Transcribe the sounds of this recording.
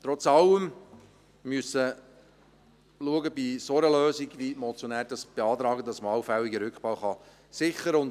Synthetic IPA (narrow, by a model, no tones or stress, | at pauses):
t̪ɾɔt͡sɑləm | myəsə | luəɡəbisoɾəløːziɡvimɔt͡sjonæːɾd̥ɑsb̥eɑːt̪ɾɑːɡədɑsməɑwfæwiɡəɾʏkχpɑwχɑ | sɪχəɾʊn